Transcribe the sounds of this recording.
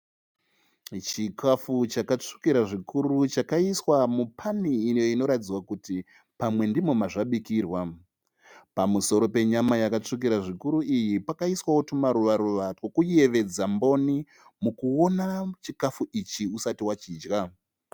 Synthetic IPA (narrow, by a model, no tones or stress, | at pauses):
t͡ʃikʰafut͡ʃakat͡ʂu̥kiɾaʐikuɾut͡ʃakaiswamupʰaniːnjoino̞ɾatid͡zwakuti | pamwe̞ndimomaʐaɓikiːrwa | pamuso̞ɾo̞pe̞ɲamajakat͡ʂuk̬iɾaʐikuɾuijipakaiswawotumaɾuʋaɾuʋatwokuie̞ʋe̞d͡zambo̞ni | mukuo̞nat͡ʃikafuʔit͡ʃiusatiwat͡ʃiːd͡ʒɡa